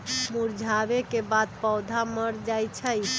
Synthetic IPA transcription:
muɾd͡ʒʱaβekebad̪̚pəwd̪ʱaməɾd͡ʒajt͡ʃʰəj

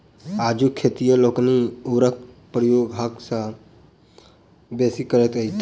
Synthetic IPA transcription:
aːd͡ʒukʰːeːt̪ijəloːkniuːɾək̚ | pɾəjoːɡɦɐksa | besikəɾət̪əit̪

